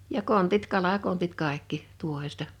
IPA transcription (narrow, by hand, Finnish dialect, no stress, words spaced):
jɑ kontit kɑlɑkontit kɑˑekːi tuohestɑ